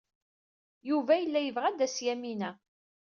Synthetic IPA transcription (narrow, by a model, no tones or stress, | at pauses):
juvæjəlːæjəvʁæd̪æsjæminæ